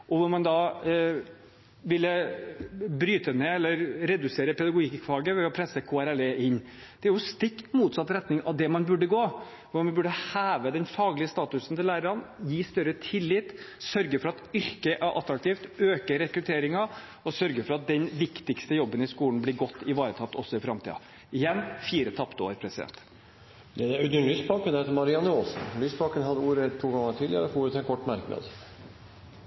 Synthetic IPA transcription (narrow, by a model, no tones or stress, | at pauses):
ʔɔʋʊɾmɑnd̪ɑ | ʋɪlːə | bɾyːt̪əneːɛlːəɾɾɛd̪ʉseːɾəpʰɛd̪ɑɡʊɡɪkfɑːɡəʋɛɔpʰɾɛsːəkʰoːæɾɛleːʔɪɲː | d̪̥ɛæɾjʊst̪ɪkt̪muːt̪sɑt̪ːɾɛt̪nɪŋɑ̰ʋd̪ɛmɑnbʉɖːəɡoː | ʋʊɾmɑnbʉɖəhæːʋəd̪ɛnfɑːɡlɪəst̪ɑːt̪ʉsn̩t̪ʰɪlæːɾəɾɑnjiːst̪œɾːət̪ʰɪlːɪːt̪ | sœɾɡəfɔɾɑt̪ʏɾkəʔæɾʔɑ̰t̪ːɾɑk̚t̪iːft̪øːkəɾɛkɾʉt̪ʰeːɾɪŋɑ | ɔsœɾɡəfɔɾɑt̪̚d̪ɛnʋɪkt̪ɪkst̪əjɔbːənɪskuːln̩blɪɾɡɔt̪ːɪʋɑːɾət̪ʰɑt̪ːɔsːɔɪfɾɑmt̪ʰḭːɑ̰ | ɪjɛnːfiːɾət̪ʰɑpt̪əo̰ːɾpʰɾɛsɪd̪ɛ̰nt̪ | d̪ɛd̪æɾʉd̪ənlyːspʰɑŋkənhet̪əɾmɑɾɪɑnəoːsn̩lyːspʰɑkənɦɑd̪ːəuːɾət̪ʰuːɡɑŋəʈʰɪljɛ̰ləfuːɾʉt̪ʰɛnkʰɔʈːmæɾkəmḛːd̪